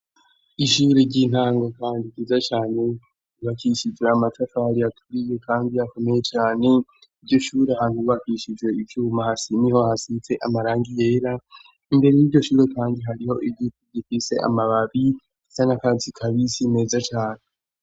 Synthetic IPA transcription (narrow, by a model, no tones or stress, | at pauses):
iʃuːɾeɟiːn̥aːŋɡo̞kaːndikizat͡ʃaːne̞ | uβakiʃid͡ʒwe̞amatafaɾiatʰuɾije̞kaːndijako̞me̞je̞t͡ʃaːne̞ | iɾɟo̞ʃuːɾeɦan̥huβakiʃid͡ʒwe̞ivjuːmahasiniho̞hasit͡se̞ʔamaɾaːŋɡije̞ːɾa | imbe̞ɾejiɾɟo̞ʃuːɾe̞kaːndiɦaɾiho̞ʔiɡituɟifise̞̰ʔa̰maβaβi | isanakazikʰaβisime̞ːzat͡ʃaːne